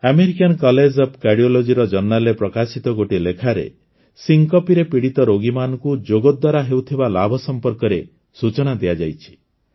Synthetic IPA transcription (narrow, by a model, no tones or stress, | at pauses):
ameɾikankɔled͡ʒɔbkaɾɖiɔlod͡ʒiɾɔd͡ʒɔɾnːalepɾɔkasit̪ɔɡoʈilekʰaɾḛ | siŋkɔpiɾepiɽit̪ɔɾoɡimanɔkud͡ʒoɡɔd̪waɾaɦewt̪ʰibalabʱɔsɔmpɔɾkɔɾe | sut͡ʃɔɽ̃ad̪ijad͡ʒajt͡ʃʰi̥